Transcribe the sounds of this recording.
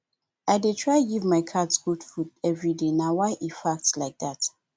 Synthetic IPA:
aɪdetʰɹaɪɡivmaɪkʰadsɡ̥udfudɛvɹidenawaɪʔifak̚tslaɪk̚ðat

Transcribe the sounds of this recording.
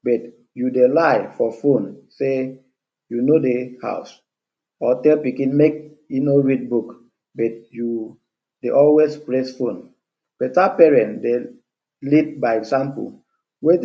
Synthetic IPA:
bɛt | judelaɪfɔfõnse | junodeha̰ʊs | ɔtɛlpikĩnmek̚ | inoɹid̚buk | bɛt̚ju | deʔɔlwespɹesfõn | b̥ɛtapɛɹɛ̃ntde | lit̚baɪɛksãmpṵ | we

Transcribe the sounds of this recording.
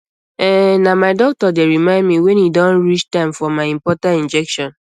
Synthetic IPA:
ɛnamaɪdɔk̚tɔdeɹimãɪ̃ndmiwɛ̃nidɔ̃nɹit͡ʃtãɪ̃mfɔmaɪĩmpɔtãntĩnd͡ʒɛkʃɔ̃n

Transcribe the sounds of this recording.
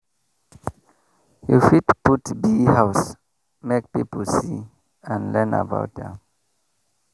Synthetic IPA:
jṵfitputbihaʊs | mek̚pipl̩si | ãnlɛ̃na̰ba̰ʊt̚ðɛ̰̃m

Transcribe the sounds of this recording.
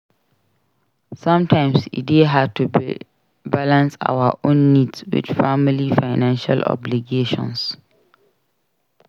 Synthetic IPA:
sãmtʰãɪ̃msḭdeɦatʰu | balãnsa̰waʔõnːidswɪ̰d̥familifaɪnãnʃa̰lɔ̰bliɡeʃɔ̰̃ns

